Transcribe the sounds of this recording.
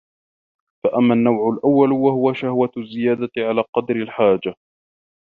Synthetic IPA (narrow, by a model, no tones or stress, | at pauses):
faʔamːanːawʕʊlʔawːalwahʊwaʃahwazːɪjaːd̪aʕalaːqɑd̪ɾɪlħaːd͡ʒa